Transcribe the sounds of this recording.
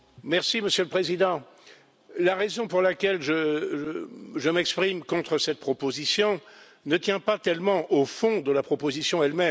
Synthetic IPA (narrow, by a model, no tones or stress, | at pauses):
mɛʁsiməsjøləpχezid̪ɑ̃ | laʁezɔ̃puʁlakʲɛlʒəʒəʒəmɛkspχimkɔ̃t̪χəsɛt̪̚pχɔpozisjɔ̃ | nət̪jɛ̃pat̪ɛlmɑ̃ʔofɔ̃d̪əlapχɔpozisjɔ̃ɛlmɛ